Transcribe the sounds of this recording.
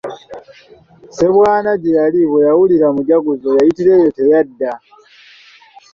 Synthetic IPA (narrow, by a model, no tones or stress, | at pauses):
se̞βwaːnaɟejaliβo̞jawuliɾamuɟaɡuzo̞jajitiɾe̞jo̞te̞jadːa